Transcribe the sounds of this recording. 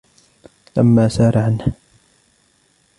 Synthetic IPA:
la̰mːaːsɑːɾˤɑʕanha

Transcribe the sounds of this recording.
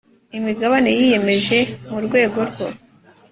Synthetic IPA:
imiɡaβane̞jije̞me̞ʒe̞muɾɡwe̞ːɡo̞ɾɡo

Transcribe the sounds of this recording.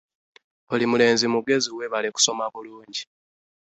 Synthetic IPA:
olimule̞ːnzimuɡe̞ziwe̞βaleku̥so̞maβuluːɲɟi

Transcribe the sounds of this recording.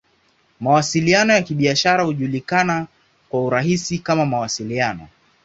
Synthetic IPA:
mawasilianɔjakiɓiaʃaɾahuʄulikana | kwauɾaɦisikamamawasilianɔ̰

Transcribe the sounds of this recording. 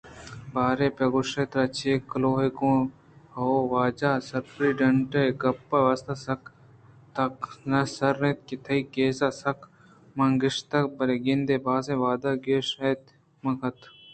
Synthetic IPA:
baːɾepɐɡoʃeːt̪ɾɐt͡ʃʰeːkloːɦekõ | ɐoʋaːd͡ʒaːsɐɾpɾiːɖɐɳʈɐɡɐpːɐʋɐst̪asɐk | t̪ɐknɐsɐɾːet̪̚kit̪ʰɐikeːsasɐk | mɐŋɡɪʃt̪ɐk̚bɐɾeɡɪnd̪eːbaːsẽʋaːd̪aɡeːʃɐt̪ | mɐkʰɐt̪ʰ

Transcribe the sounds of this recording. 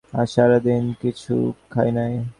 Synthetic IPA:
aʃaɾad̪inkit͡ɕʰṵkʰajnaj

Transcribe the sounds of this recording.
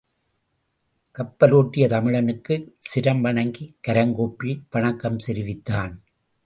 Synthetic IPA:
kɐpːɐloːʈːɪjɐt̪ɐmɪɻɐnɯkːɯsɪɾɐmʋɐɳɐŋɡikɐɾɐŋɡoːpːɪlʋɐɳɐkːɐmsɛɾɪʋɪt̪ːaːn

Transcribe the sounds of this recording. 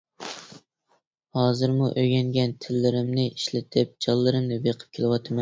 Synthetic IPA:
hɑːzɨɾmuʔøɡʲɛŋɡʲɛnt̪ʰɪlːɪɾɪmnɪiʃlɪt̪ʰɪp̚d͡ʒɑlˠːɨɾɪmnɪbeqʰɨ̥p̚kʲʰelˠɪwɑt̪ʰɨmɛn

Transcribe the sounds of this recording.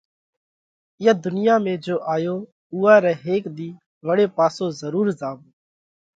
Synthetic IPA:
ɪjəd̪ʊnɪjaːmẽːd͡ʒoːʔaːjoː | uːaːɾɛːɦeːkd̪iː | ʋəɽeːpaːsoːzəɾuːɾzaːʋː

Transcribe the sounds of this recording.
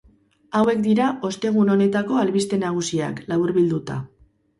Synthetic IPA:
awe̞kd̪iɾaʔo̞st̪e̞ɣ̞uno̞ne̞t̪ako̞alβist̪e̞naɣ̞usia̰klaβuɾβild̪ut̪a̰

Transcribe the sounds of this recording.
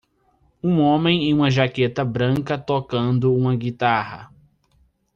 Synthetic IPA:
ũõmẽj̃ẽj̃ũmɐʒaket̪ɐbɾɐ̃ŋkɐt̪okɐ̃nd̪ʊũmɐɡit̪ahɐ̰

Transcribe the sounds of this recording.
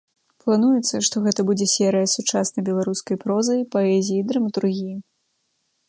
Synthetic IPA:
plˠanujɛt̪sːɐʂt̪ɔɣɛt̪ɐbud͡zʲɛsʲɛɾɨjɐsut͡ʂasnɐjbʲɛlˠaɾuskɐjpɾɔzɐjpaɛzʲijid̪ɾɐmɐt̪uɾɣʲiji

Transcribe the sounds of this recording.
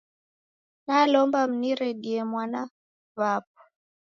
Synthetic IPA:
nalɔmbam̩niɾɛɗiɛmwana | vap̚ɔ̥

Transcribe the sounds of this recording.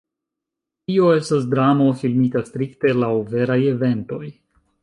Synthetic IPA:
tio̞e̞stas̬dɾamo̞filmitastɾikte̞lawve̞ɾaje̞ve̞nto̞j

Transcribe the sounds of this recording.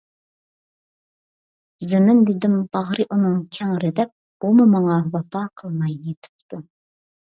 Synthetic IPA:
zɪnɪnd̪ɪd̪ɪmb̥ɑʁɾɨʔunɨŋkʲʰɛŋɾɪd̪ɛp̚ | umumɑŋɑvɑpʰɑqʰəlˠmɑjːet̪ʰɪ̥p̚t̪ʰu

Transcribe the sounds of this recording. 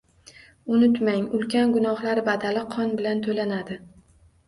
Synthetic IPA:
ʊnʊt̪maŋʊlkʲanɡʊnɒhlaɾɪbad̪alɪqʰɒnbɪlant̪ʰolanad̪ɪ

